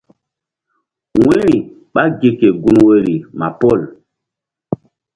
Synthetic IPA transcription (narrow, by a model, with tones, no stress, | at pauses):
w̃e˦ɾi˨ | ɓa˦ɡe˨ke˨ɡu˦nwe˦ɾi˨ma˨pɔ˦˨l